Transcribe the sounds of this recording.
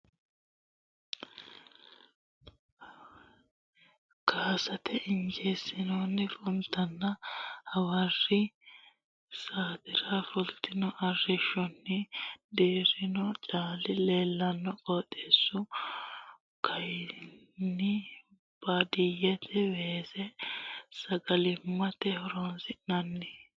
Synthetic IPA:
kʰaːsɐt̪ʰɛʔɪnd͡ʒeːsɪnoːnːɪfʼʊnt̪ːɐnːɐhɐwɐrːɪ | saːd̪ɪɾɐfʊlt̪ːɪnɔʔɐrːɪʃɔnːɪd̪eːɾɪnɔt͡ʃʼaːlɪle̞ːlːɐnːɔkʼoːt̪ʼːeːsːʊ | kʰɐj | nːɪ | b̥ɐd̪ɪjɛt̪ʰɛweːsɛsɐɡɐlɪmːɐt̪ɛhɔɾonsɪʔnɐnːɪ

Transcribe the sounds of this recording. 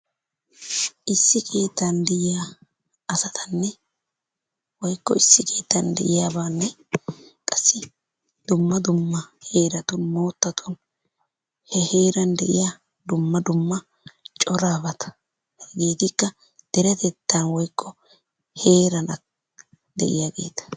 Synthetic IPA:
ʔɪsːɪkʰe̞ːt̪ːɐnd̪ɪʔɪjaː | ʔɐsɐt̪ʰɐnːɛ | wɔjkːɔɪsːɪkʰe̞ːt̪ːɐnd̪ɛ̰ʔɪjaːbaːnːɛ | kʼɐsːɪ | d̪̥ʊmːɐd̪ʊmːɐhe̞ːɾɐt̪ɔnmo̞ːt̪ːɐt̪ʰɔn | hɛhe̞ːɾɐnd̪ɛʔɪ̰ja | d̪ʊmːɐd̪ʊmːɐ | t͡ʃʼɔɾaːbɐt̪ɐ̥ | ɡe̞ːt̪ɪkːɐ | d̪̥ɛɾɛt̪ɛt̪ːɐnwɔjkʰːɔ | he̞ːɾɐnɐ | d̪ɛ̰ʔɪ̰jaːɡe̞̰ːt̪ɐ̥

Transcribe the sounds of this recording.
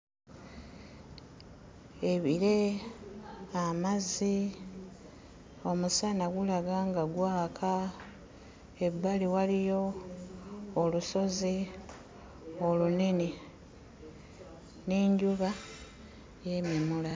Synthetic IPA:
e̞βiɾe̞ | amazi | o̞musanaɡulaɡaːŋɡaɡwaːkʰa | ebːaliwalijo̞ | luso̞zi | o̞lunini | niːɲɟuβa | je̞mjemula

